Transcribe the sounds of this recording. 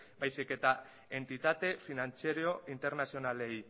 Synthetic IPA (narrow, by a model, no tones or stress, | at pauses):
bajsike̞t̪a | e̞nt̪it̪at̪e̞finant͡siaɾio̞int̪e̞ɾnasio̞nale̞j